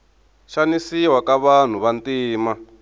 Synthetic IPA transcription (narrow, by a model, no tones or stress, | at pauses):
ʃanisiwakaβan̤uβantiːma